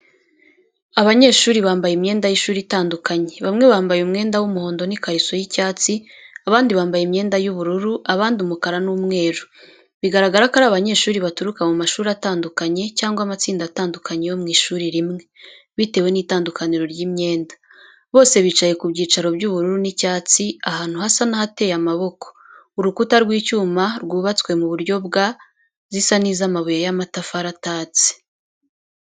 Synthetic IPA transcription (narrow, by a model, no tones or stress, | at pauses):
aβaɲe̞ːʃuːɾiβaːmbajimɲe̞ːndajiʃuːɾitaːndukaɲe̞βamŋe̞βaːmbajumŋe̞ːndawumuho̞ːndo̞nikaɾiso̞jicaːt͡si | aβaːndiβaːmbajimɲe̞ːndajuβuɾuɾuaβaːndiumukaɾanumŋe̞ːɾu | βiɡaɾaɡaɾakaɾaːβaɲe̞ːʃuːɾiβatuɾukamumaʃuːɾiataːndukaɲe̞caːŋɡwamat͡siːndataːndukʰaɲejo̞mŋiːʃuːɾiɾimŋe̞ | βite̞ːwe̞niːtaːndukaniɾo̞ɾɟiːmɲe̞ːnda | βo̞ːse̞βit͡ʃajekubɟiːt͡ʃaɾo̞bɟuβuɾuɾunicaːt͡siahaːn̥huhasanahate̞jamaβo̞ko̥ | uɾukutaɾɡwiːcuːmaɾɡuːβat͡swe̞muβuɾɟo̞bɡa | zisanizamaβujajamatafaɾataːt͡si̥